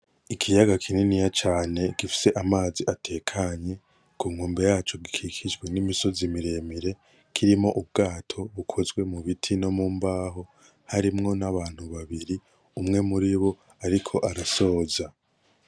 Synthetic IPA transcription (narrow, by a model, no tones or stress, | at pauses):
ikʰijaɡakʰininijat͡ʃaːne̞ɡ̥ifi̥se̞ʔamaːziʔatʰe̞kʰaɲe̞ | kuːŋhuːmbe̞jaːt͡ʃo̞ɡikʰikʰid͡ʒɡwenimiso̞zimiɾe̞miɾe̞ | kʰiɾimo̞ʔuβ̚ɡaːtʰo̞βukʰo̞zɡwe̞muβitʰino̞muːmbaːɦo̞ | haɾimŋo̞naβaːn̥huβaβiɾi | umŋe̞muɾiβo̞ | aɾikʰo̞ʔaɾaso̞ːza